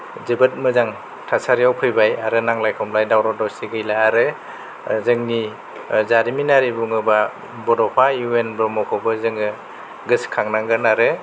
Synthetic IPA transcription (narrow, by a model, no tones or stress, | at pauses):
zɯbɯt̚mɯzaŋ | tʰasaɾijawpʰɯjbajaɾɯnaŋlajkʰɔmlajdawɾɔdɔwsiɡɯjlaːɾɯ | zɯŋni | zaɾiminaɾibuŋɯba | bɔdɔpʰajuenbɾɔmɔkʰɔbɯzɯŋɯ | ɡɯskʰaŋnaŋɡɯnaɾɯ